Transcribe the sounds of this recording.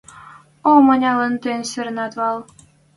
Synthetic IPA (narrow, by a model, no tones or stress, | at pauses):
omɤ̆nʲɑlɤ̆nt̪enʲsɘ̆ɾnɑt̪βɑlˠ